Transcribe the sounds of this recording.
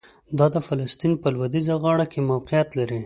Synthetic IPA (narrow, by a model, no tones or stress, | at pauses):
d̪ɑd̪əfalast̪inpəlwad̪izaɣɑɽakemawqijat̪laɾi